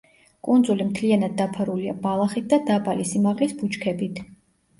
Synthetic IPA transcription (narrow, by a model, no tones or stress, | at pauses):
kʼund̪zulimt̪ʰlianad̪̚ːapʰaɾulia̰balˠaχit̪̚d̪ad̪abalisimaʁlisbut͡ʃkʰɛbit̪ʰ